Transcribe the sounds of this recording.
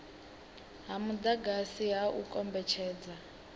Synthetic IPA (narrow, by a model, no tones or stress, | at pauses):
ɦamudaɡasiɦaʔukʼɔmbɛt͡ʃʰɛːd͡za